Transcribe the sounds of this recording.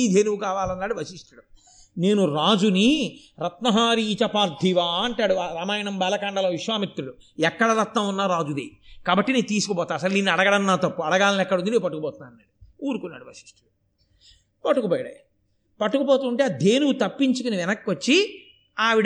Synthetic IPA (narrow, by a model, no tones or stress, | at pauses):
iːd̪ʱeːnuwukaːʋaːlɐnːaːɽuʋɐsiʂʈɐɽɐm | ne̞ːnuɾaːd͡ʒuni | ɾɐt̪nɐɦaːɾiːt͡ʃɐpaːɾd̪ʱiʋaːɐɳʈaːɽuɾɐmaːjɐɳɐmbɛːlɐkaːɳɖɐloːʋiʂʋaːmit̪ɾuɽu | ɛkːɐɽɐɾɐt̪nɐmunːaːɾaːd͡ʒud̪eːkaːbɐʈːineːnt̪̬iːsukɐpɔːt̪aːɐsɐlninːiɐɽɐɡɐɽɐnːaːt̪ɐpːuɐɽɐɡaːllɛkːɐɽund̪ineːpɐʈːukupɔːt̪unːaːɐnːaːɽuuːɾukunːa̰ːɽuʋɐsi̥ʂʈɐɽɐ | pɐʈːukupoːjɐɽɐ̰j | pɐʈːukupɔːt̪uːɳʈed̪ʱeːnuwut̪ɐpːiɲt͡ʃukuniʋɛnɐkːʋɐt͡ʃːi | aːʋiɽ